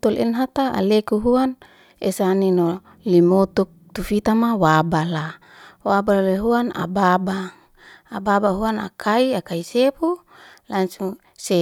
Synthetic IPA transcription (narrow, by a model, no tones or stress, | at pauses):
t̪olɛ̰nɦat̪aa̰lekuɦuan | esanino | limot̪uk̚t̪ufit̪amawabala | waballeɦuana̰babaː | babaɦuana̰kʰaiakaisepu | lansuŋ | se